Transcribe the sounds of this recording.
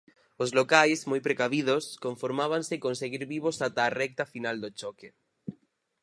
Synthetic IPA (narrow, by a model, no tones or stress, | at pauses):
ozlokajzmojpɾekaβið̞oskoɱfoɾmaβ̞ansekonseɣ̞iɾβiβosat̪aːrɛk̚t̪afinald̪ot͡ʃoke